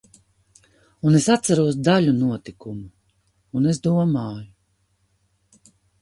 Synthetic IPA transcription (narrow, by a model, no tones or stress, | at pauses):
unesat̪saɾuɔs̬d̪aʎʲunuɔt̪ikumuː | nesd̪uɔmaːju